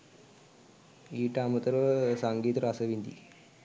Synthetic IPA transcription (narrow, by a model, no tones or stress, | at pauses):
iːʈaːmɐt̪ɐɾsaŋɡiːt̪ɐɾasɐʋind̪ḭ